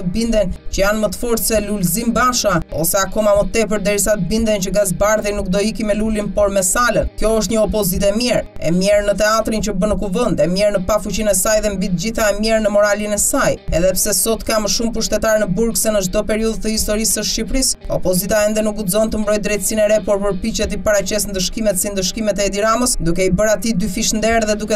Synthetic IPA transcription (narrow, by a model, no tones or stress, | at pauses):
əbind̪ɛnt͡ɕəjanmət̪ə̥fɔɾt̪sɛlulzimbaʃaɔ̰sɛakɔmamət̪ɛp̬əɾd̪ɛɾisat̪əbind̪ɛnt͡ɕəɡas̬baɾðinuk̚d̪ɔikimɛlulinpɔɾmɛsalənkjɔəʃ̬t̪ɲəɔp̬ɔzit̪ɛmjɛɾ | ɛ̰mjɛɾnət̪ɛat̪ɾint͡ɕəbənəkuvɛnd̪ɛmjɛɾnəpafut͡ɕinɛsajðɛmbit̪̚d͡ʑiθaɛmjɛɾnəmɔɾalinɛsajɛðɛpsɛsɔt̪kaməʃumpuʃt̪ɛt̪aɾnəbuɾksɛnəʃd̪ɔpɛɾiuðt̪əhist̪ɔɾisəʃcipɾisɔpɔzit̪aɛnd̪ɛnuk̚uzɔnt̪əmbɾɔj̚d̪ɾɛjt̪əsinɛɾɛpɔɾpəɾpit͡ɕɛt̪ipaɾat͡ɕɛsnd̪əʃkimɛt̪sind̪əʃkimɛt̪ɛd̪iɾaməsd̪ukɛibəɾat̪id̪yfiʃnd̪ɛɾðɛd̪ukɛ